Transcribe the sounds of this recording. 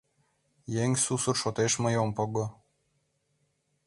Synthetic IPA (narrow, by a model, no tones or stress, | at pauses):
jeŋʲsusɤrʃot̪eʃmɤ̆jompɤ̆ɡɤ̆